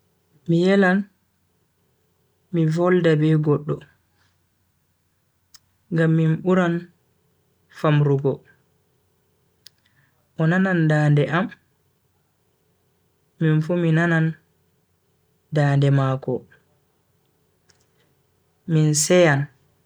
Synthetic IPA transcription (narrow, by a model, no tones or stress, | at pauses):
mijɛlan | mivɔldabɛɡɔɗːɔ | ɡamːinɓuɾan | famɾuɡɔ | ʔɔnanandaːndɛʔam | minfuminanan | daːndɛmakɔ | minsɛjan